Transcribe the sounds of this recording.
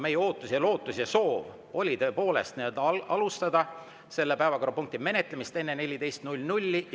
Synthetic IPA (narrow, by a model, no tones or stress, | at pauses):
me̞jeo̞ːt̪ːˑusjɑlo̞ːt̪ːˑusjɑso̞ːv | o̞lʲit̪ɤ̞epo̞ːle̞̰st̪nid̪̥ɑlust̪ɑd̪̥ɑ | se̞lːe̞pæevɑko̞rɑpuŋk̚t̪ime̞ne̞t̪ˑlemist̪e̞nːene̞lʲid̪e̞jst̪nulʲːnulʲːi